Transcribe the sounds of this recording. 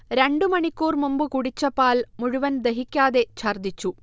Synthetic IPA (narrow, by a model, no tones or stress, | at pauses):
ɾeɳɖɨmɐɳikʲːuːrmumbɯkuɽit͡ɕːɐpaːlmuɻʊʋɐnd̪eɦikʲːaːðet͡ɕʰɐrd̪it͡ɕːu